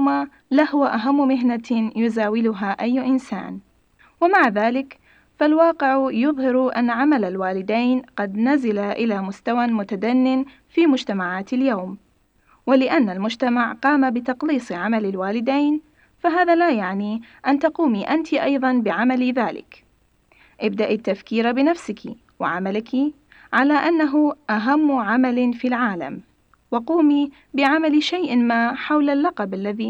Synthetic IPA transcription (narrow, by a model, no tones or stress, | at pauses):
ma | lahʊwaʔaɦamːʊmɪɦnajʊzaːwɪlʊɦaʔajːʔɪnsa̰ːn | wamaʕðaːlɪk | falwɑːqɪʕjʊðˤhɪɾʔa̰nːaʕamalalwaːlɪd̪ajnqɑd̪nazalaʔɪlamʊst̪awamʊt̪ad̪anːɪn | fiːmʊd͡ʒt̪amaʕaːt̪aljawm | walɪʔanːalmʊd͡ʒt̪amaʕqɑːmabɪt̪ɑqliːsˤʕamalɪlwaːlɪd̪ajn | faɦaːðalajaʕniʔant̪aquːmiʔant̪ʰiʔɑjðˤɑnbɪʕamaliðaːlɪ̰k | ʔɪbd̪aʔit̪ːafkiːɾabɪnafsɪkʰḭ | wa̰ʕamalɪki | ʕalaʔanːaɦʊʔaɦamːʕamalfilʕaːla̰m | wɑquːmi | bɪʕamalʃajʔɪmaħawlalːɑqɑbʔalːaði